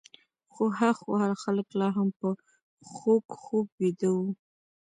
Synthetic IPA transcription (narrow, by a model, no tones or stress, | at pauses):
xohaxwalxaləklɑɦampə | xokxob̚wed̪əwu